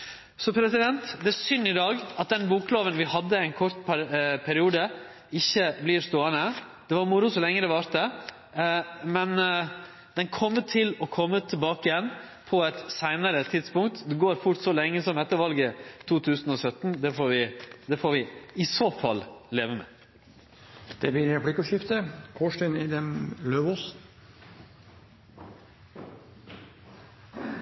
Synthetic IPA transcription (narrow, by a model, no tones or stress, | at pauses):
sɔpʰɾɛsɪd̪ɛnt̪d̪ɛæɾsʏnːɪd̪ɑːɡɑt̪̚d̪ɛnbuːkloːʋənʋɪhɑd̪ːəɪɛɪnkʰɔɾt̪ppʰæɾɪuːd̪ə | ɪçːəblɪɾst̪oːənə | d̪̥ɛʋɑɾmʊɾʊsɔlɛŋːəd̪ɛʋɑːɾt̪ə | mɛn | d̪̥ɛnkʰɔmːət̪ʰɪlɔkʰɔmːət̪ʰɪlbɑːkɪjɛn | pʰɔɛt̪sæɪnəɾət̪ʰɪd̪spʊŋkt̪d̪ɛɡoːɾfʊɾʈ̪sɔlɛŋːəsɔmɛt̪ːəɾʋɑlɡət̪ʰuːt̪ʰʉːsn̩ɔsœt̪n̩d̪ɛfoːɾʋɪd̪ɛfoːɾʋɪɪsoːfɑ̰lːleːʋəmɛ̰ː | d̪̥ɛblɪɾɾɛpɽɪkəʃɪft̪əkʰoːʂʈɪnɪd̪ɛmløːʋuːs